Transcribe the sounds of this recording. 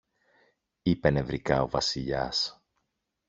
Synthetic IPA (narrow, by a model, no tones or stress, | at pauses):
ipe̞ne̞vɾikɐo̞vɐsiʎɐs